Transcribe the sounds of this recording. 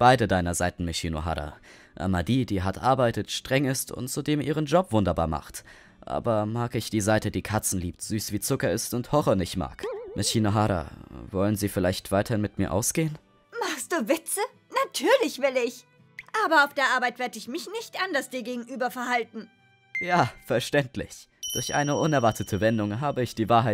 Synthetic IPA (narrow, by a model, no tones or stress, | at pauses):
b̥aɪdədaɪnɐzaɪtn̩meʃino̰ɦa̰ːda̰ | ʔa̰madiːdiːɦatʔa̰ɐbaɪtətʃtʁ̥ɛŋɪstʊ̰ntz̥udeːmʔiːʁ̞ənd͡ʒɔpv̥ʊndɐba̰ːɐma̰χt | ʔa̰ːbɐmaːkɪçd̥iːzaɪtədiːkʰat͡sn̩liːptz̥yːsv̥iːt͡sʊkɐɪstʊnthɔχɐnɪçtma̰ːkmʔaʃiːnoɦaːɾa̰vɔlənziːfɪlaɪçtv̥aɪtɐhɪnmɪtmiːɐʔa̰ʊsɡ̥eːən | maχst̚d̥uːvɪt͡sə | natʰyːɐlɪçv̥ɪlɪç | ʔaːbɐaʊfd̥eːɐʔaɐbaɪtv̥eːɐdəɪçmɪçnɪçtʔandɐsd̥iːɐɡeːɡŋ̩ʔyːbɐfɛɐhaltn̩ | jaːfɛɐʃtɛntlɪ̰çd̥ʊɐçʔa̰ɪnəʔʊnɛɐvaɐtʰətʰəvɛndʊŋɦaːbəɪçd̥iːvaːɐɦaɪ